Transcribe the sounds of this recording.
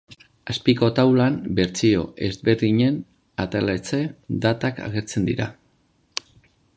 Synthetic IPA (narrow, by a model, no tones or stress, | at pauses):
aspiko̞t̪awlambe̞ɾt͡sio̞̰ʔe̞zβe̞ɾðiɲe̞n | at̪elet͡se̞d̪at̪aka̰ɣ̞e̞ɾt͡send̪iɾa̰